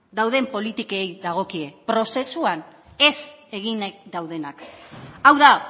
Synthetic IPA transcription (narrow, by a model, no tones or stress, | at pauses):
d̪awðe̞mpo̞lit̪ikeejðaɣ̞o̞kie̞pɾo̞se̞suane̞se̞ɣind̪awðe̞nakawða